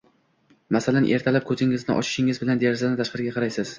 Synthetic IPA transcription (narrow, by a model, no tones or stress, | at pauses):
masalanʔe̞ɾt̪ʰalap̚kʰɵzɪŋɪznɪ̰ʔɒ̰t͡ʃʰɪ̥ʃɪŋɪzbɪland̪eɾɪzanɪt̪ʰaʃqɑɾɪɡʲaqʰɑɾajsɪz̥